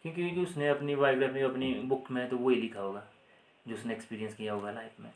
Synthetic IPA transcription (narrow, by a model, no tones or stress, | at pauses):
kjõːkid͡ʒʊsneɐpnibaːjoɡɾaːfẽd͡ʒoɐpnibʊkʰmẽt̪oʋoilɪkʰaɦoːɡaː | d͡ʒoʊsneːkspiːɾijə̃nskijaɦoːɡalaːɪpmḛ̃ː